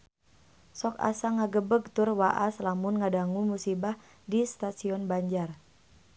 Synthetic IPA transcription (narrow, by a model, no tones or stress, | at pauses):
sɔka̰saŋaɡəbəɡt̪ʊrwaʔaslamunŋadaŋumusibah | dist̪asiɔnbaɲd͡ʒar